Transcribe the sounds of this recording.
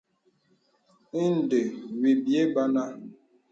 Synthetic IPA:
i˦n̩˦˨de˨wi˨bi˨e˦ba˦na˦

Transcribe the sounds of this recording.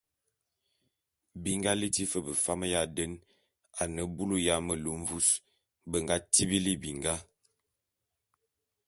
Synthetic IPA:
bi˨ŋɡa˦li˦ti˦fə˦bə˨fa˦mə˦ja˦˨də˦n | a˨nə˨bu˦lu˦ja˦mə˨lu˨˦m˦vu˦s | bə˨ŋɡa˦ti˦bi˦li˦bi˨ŋɡa˦

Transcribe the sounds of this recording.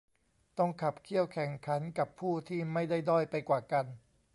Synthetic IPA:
t̪ɔ˥˩ŋkʰa˨˩pkʰi˥˩əwkʰɛ˨˩ŋkʰa˩˦˥nka˨˩pʰːuː˥˩t̪ʰiː˥˩ma˥˩jda˥˩jdɔː˥˩jpa˧jkwaː˨˩ka˧n

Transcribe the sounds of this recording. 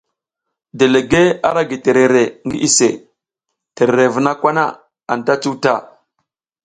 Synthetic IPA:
de˨le˨ɡe˦a̰˦ɾa˦ɡi˨te˨ɾe˨ɾe˨ŋɡi˦ʔi˦se˨ | te˨ɾe˨ɾe˨və˨na˦kʷa˦na̰˦˨ | a̰˨n˨ta˦t͡su˦wta˦˨

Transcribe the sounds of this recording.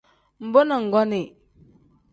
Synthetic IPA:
m˦bo˦na˨ŋ˨ɡa˦ni˨

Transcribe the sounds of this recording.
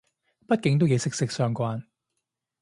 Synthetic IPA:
pɐ˥t̚kɪ˨˥ŋt̪o˥wje˨˧jsɪ˥k̚sɪ˧˥k̚sœː˧ŋkʷaː˧n

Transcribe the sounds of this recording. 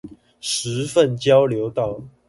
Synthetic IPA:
ʂɻ̩˨˦fə˥˨nt͡ɕjɑ˦ʊljo˨˦ʊt̪ɑ˥˨ʊ

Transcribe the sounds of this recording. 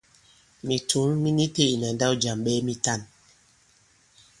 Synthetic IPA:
mi˨tu˨˦nmi˦ni˦te˦˨i˨na˨n˦da˦wd͡ʒa˨mɓɛ˦mi˦ta˦˨n

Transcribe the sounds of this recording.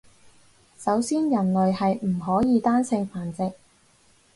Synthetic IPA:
sɐ˨˥wsiː˥njɐ˨˩nlɵ˨ɥhɐ˨jm̩˨˩ɦɔː˨˥jiː˨˧t̪aː˥nsɪ˧ŋfaː˨˩nt͡sɪ˨k̚

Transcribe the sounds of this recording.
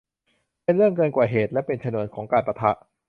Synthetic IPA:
pe˧nɾɯ˥˩əŋkɤː˧nkwaː˨˩ɦeː˨˩t̪̚lɛ˦˥pe˧nt͡ɕʰa˧nu˧˩ənkʰɔː˩˦ŋkaː˧npɾa˧t̪ʰa˦˥ʔ

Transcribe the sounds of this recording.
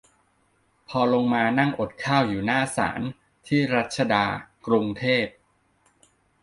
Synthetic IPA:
pʰɔː˧lo˧ŋmaː˧na˥˩ŋʔo˨˩t̪̚kʰaː˥˩wjuː˨˩naː˥˩sa̰ː˩˦n | t̪ʰiː˥˩ɾa˦˥t̪̚t͡ɕʰa˧daː˧kɾu˧ŋt̪ʰeː˥˩p̚

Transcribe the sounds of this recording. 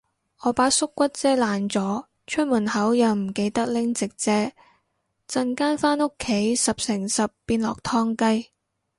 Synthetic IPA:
ɔː˨˧paː˨˥sʊ˥kːʷɐ˥t̚t͡sɛː˥laː˨nt͡sɔː˨˥ | t͡ʃʰɵ˥t̚muː˨˩nhɐ˨˥wjɐ˨˧wm̩˨˩ke˧jt̪ɐ˥k̚lɪ˥ŋt͡sɪ˨k̚t͡sɛː˥ | t͡sɐ˧ŋkaː˥nfaː˥nʊ˥kʰːe˨˥jsɐ˨p̚sɪ˨˩ŋsɐ˨pːiː˧nlɔ̰ː˨k̚t̪ʰɔː˥ŋkɐ˥j

